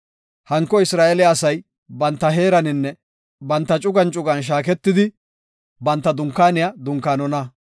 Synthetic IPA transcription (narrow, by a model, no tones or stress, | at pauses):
hɐŋkːɔɪsɾaːʔɛlɪːsɐj | bɐnt̪ːɐɦeːɾɐnɪnːɛ | bɐnt̪ːɐt͡ʃʼʊɡɐnt͡ʃʼʊɡɐnʃ̬aːk̬ɛt̪ːɪd̪ɪ | bɐnt̪ːɐd̪ʊŋkːaːnɪjɐd̪ʊŋkːaːnɔnɐ